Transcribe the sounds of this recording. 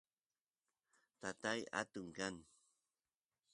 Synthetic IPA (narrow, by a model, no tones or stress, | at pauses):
t̪at̪aja̰t̪uŋkan